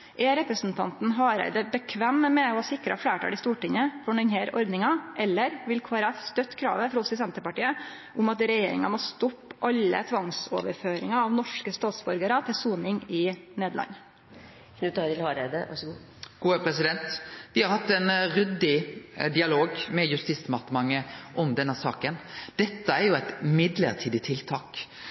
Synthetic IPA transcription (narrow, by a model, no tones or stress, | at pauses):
ʔɛɾɛpɾəsnt̪ʰɑ̰nt̪n̩ɦɑːɾæ̰ɪd̪əbəkʰʋæmːmɛɔhɑsɪkɾɑ̰flæːʈʰɑ̰ːlɪst̪uːʈɪŋːəpʰɔɾɳɪnheːɾʔɔɾd̪nɪŋɑʔɛlːəɾʋɪlkʰoːɾɑst̪œt̪ːkʰɾɑ̰ːʋəfɾɔsɔs̬ɛnt̪əpɑʈiːə | ʔʊmɑt̪ɾɛjeːɾɪ̰ŋɑmoːst̪ɔpːʔɑlːə̰t̪ʰʋɑŋso̰ːʋəɾføːɾɪŋɑɑʋnɔʂkəst̪ɑːt̪sbɔɾɡəɾɑt̪ʰɪlsuːnɪŋɪneːd̪lʔɑ̰nː | nʉt̪ɑɾɪlhɑɾed̪ə̰ʋɑ̰ʂɔɡuː | ɡ̥uːəpʰɾɛsɪd̪ɛnt̪ʋɪhɑɾhɑt̪ːɛnɾʉd̪ːɪd̪ɪɑloːɡmɛjʉst̪iːsmɑt̪əmɑŋːəʔɔmd̪ɛnːəsɑːkənd̪̥ɛt̪ːəæɾjʊæɪt̪mɪd̪lə̰ɾt̪ʰiːd̪ɪt̪ʰɪlt̪ʰɑːk